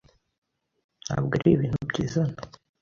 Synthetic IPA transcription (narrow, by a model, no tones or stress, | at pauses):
n̥ha̰ːbɡaɾʔiβiːn̥hubɟiːzana